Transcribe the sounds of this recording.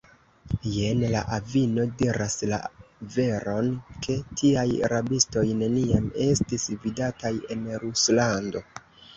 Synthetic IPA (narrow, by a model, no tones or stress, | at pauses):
je̞nla̰ʔavino̞diɾʔasla̰ve̞ɾo̞nkʰe̞tʰiaja̰ɾabisto̞jne̞niame̞stisvidataje̞nɾuslando̞